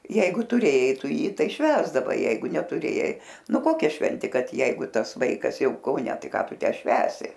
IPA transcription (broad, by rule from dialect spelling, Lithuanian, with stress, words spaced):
ˈjɛɪɡʊ tʊˈrʲeːjɛɪ ˈtʊ ˈjiː ˈtɐɪ ˈʃʲʋʲæːzdɐʋɐɪ ˈjɛɪɡʊ nʲɛtʊˈrʲeːjɛɪ ˈnʊ ˈkoːkʲɛ ˈʃʲʋʲɛnʲtʲeː ˈkɐt ˈjɛɪɡʊ ˈtɐs ˈʋɐɪkɐs ˈjɛʊ kɐʊˈnʲɛ ˈtɐɪ ˈkɑː ˈtʊ ˈtʲæː ˈʃʲʋʲæːsʲɪ